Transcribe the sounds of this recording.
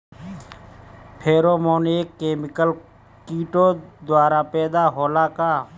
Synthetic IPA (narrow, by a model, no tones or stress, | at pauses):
pʰeːɾoːmoːneːkːeːmɪkəl | kiːʈoːd̪waːɾaːpɛːd̪aɦoːlaːkaː